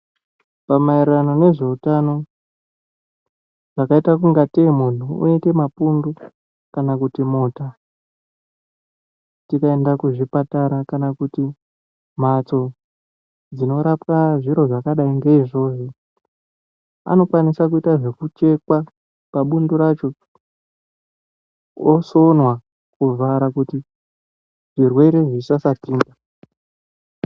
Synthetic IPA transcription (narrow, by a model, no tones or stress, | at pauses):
pamairrano̞ne̞ʐe̞utano̞ | ʐ̥akaitak̬uŋɡatemun̤uṵeke̞mapundu | kanakutimoːta | tikae̞ndakuʐipataɾakanakuti | m̤at͡so̞ | d͡zino̞ɾapkaʐiɾo̞ʐakaɗaiŋɡeiʐo̞ʐo | a̰no̞kwanisak̬uitaʐe̞kut͡ʃe̞kwa | paɓundoɾat͡ʃo̞ | woso̞nwa | kuvaɾakuti | ʐ̥irwe̞ɾe̞ʐisasatiːŋɡa